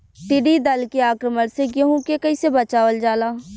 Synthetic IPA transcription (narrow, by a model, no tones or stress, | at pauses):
t̪ɪɖid̪ɐlkeaːkɾəməɽseɡeɦũkekɐisebɐt͡ʃaːʋəld͡ʒaːlaː